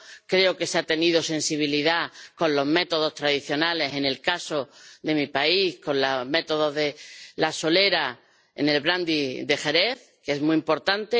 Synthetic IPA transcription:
kɾe̞oke̞seat̪e̞nið̞osẽ̞nsiβ̞iliðako̞nlo̞zme̞t̪o̞ð̞o̞st̪ɾaðiθjo̞nale̞se̞ne̞lkaso̞ðe̞mipaihkõ̞nlame̞t̪o̞ð̞o̞ðe̞laso̞le̞ɾa | e̞̰ne̞lβɾand̪iðe̞xe̞ɾeθ | keezmuimpo̞ɾt̪ant̪e

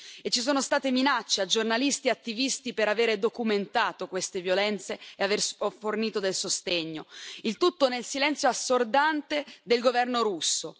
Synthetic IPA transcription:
et͡ʃːis̬oːnost̪aːt̪eminat͡ʃːead͡ʒornalist̪iat̪ːivist̪ipeɾaveːɾed̪okument̪aːt̪okwest̪evjolɛnt̪seeaversforniːt̪od̪elsost̪eɲːoilt̪ut̪ːonelsilɛnt̪sjoasːord̪ant̪ed̪elɡovɛrnoɾusːo

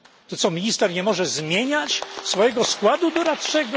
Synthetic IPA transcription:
t̪ɔt̪sɔmʲiɲist̪ɛɾɲɛmɔʐɛzmʲjeɲat͡ɕsfɔjɛɡɔskwad̪ud̪ɔɾat̪ʂɛɡɔ

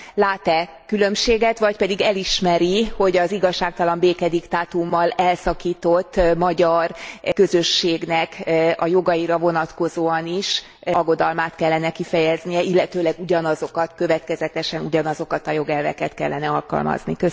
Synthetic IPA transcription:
laːt̪ɛ | kylø̞mʃeːɡɛt̪ʋɒcpɛd̪iɡɛliʃmɛɾiho̞ɟɒziɡɒʃːaːk̚t̪ɒlɒmbeːkɛd̪ikt̪aːt̪umːɒlɛlsɒkiːt̪o̞t̪ːmɒɟɒrkø̞zø̞ʃːeːɡnɛkɒjo̞ɡɒiɾɒvo̞nɒt̪ko̞zoːɒniʃ | ɒɡo̞d̪ɒlmaːt̪kɛlːɛnɛkifɛjɛznijɛilːɛt̪øːlɛɡuɟɒnɒzo̞kɒt̪kø̞vɛt̪kɛzɛt̪ɛʃɛnuɟɒnɒzo̞kɒt̪ɒjo̞ɡɛlvɛ̰kɛt̪kɛlːɛnɛɒlkɒ̰lmɒ̰znikø

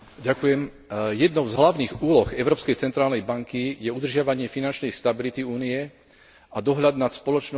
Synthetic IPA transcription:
ɟakujɛm | jɛd̪nɔʊzɦlaʊniːɣuːlɔɣɛʊɾɔːpskɛjt͡sɛnt̪ɾaːlnɛjbaŋkijɛud̪r̩ʒɪaʋaɲɪɛfinant͡ʃnɛjst̪abilit̪iuːniɛ | ad̪ɔɦʎad̪nat̪spɔlɔt͡ʃnɔ

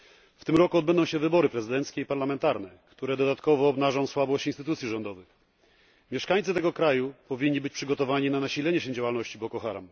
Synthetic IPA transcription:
ft̪ɘmɾɔkuɔd̪bɛnd̪ɔ̃w̃ɕɛvɘbɔɾɘpɾɛzɘd̪ɛnt̪skʲɛipaɾlamɛnt̪aɾnɛkt̪uɾɛd̪ɔd̪at̪kɔvɔːbnaʐɔ̃w̃swabɔɕt͡ɕinst̪ɘt̪ut̪sʲjiʐɔnd̪ɔvɘx | mʲjɛʂkaɲt̪sɘt̪ɛɡɔkɾajupɔvʲiɲʲːibɘt͡ɕʲpʂɘɡɔt̪ɔvaɲinanaɕilɛɲɛɕɛd͡ʑawalnɔɕt͡ɕibɔkɔxaɾa̰m

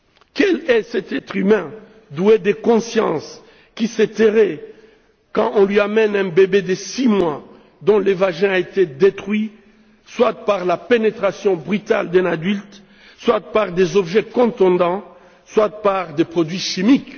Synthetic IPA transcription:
kɛlɛsɛt̪ɛt̪χymɛ̃ | d̪ued̪ekɔ̃sjɑ̰̃s | kisɛt̪eʁɛ | kɑ̃ʔɔ̃lɥiamɛnɛ̃bebed̪əsimwa | d̪ɔ̃levaʒɛ̃aet̪ed̪et̪χɥi | swat̪̚paʁlapenet̪χasjɔ̃bʁyt̪a̰ld̪ɛ̃nad̪ylt̪ | swat̪̚paʁd̪ezɔbʒɛkɔ̃t̪ɔ̃d̪ɑ̃ | swat̪̚paʁd̪epχod̪ɥiʃimik

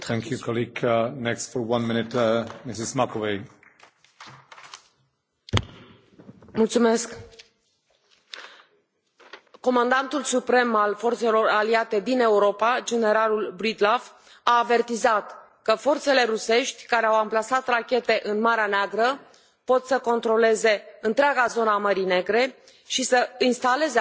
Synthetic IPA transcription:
t̪ʰæ̃ŋkʰjukʰɔliɡnɛkstfɔ˞wʌ̃nmɪ̃nɪtmɪsɪzmakʰove | mult̪sume̞sk | kːo̞mand̪ant̪ulsupɾe̞malfo̞rt̪se̞lo̞raliat̪e̞d̪ine̞uɾo̞pad͡ʒe̞ne̞ɾalulbɾid̪laf | aːve̞rt̪izat̪ | kəfo̞rt̪se̞le̞ɾuse̞ʃt̪ʲkaɾeawamplasat̪rakʲe̞t̪e̞ʔɨnmaɾeaneaɡɾə | po̞t̪səko̞nt̪ɾo̞le̞ze̞ɨnt̪ɾeaɡazo̞nəaməɾine̞ɡɾe̞ | ʃisəinst̪ale̞ze

